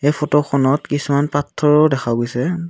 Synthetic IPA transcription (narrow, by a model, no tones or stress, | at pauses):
ejpʰɔtɔxʰɔnɔtkisumanpatʰːɔɹɔdɛxʰaɡojsɛ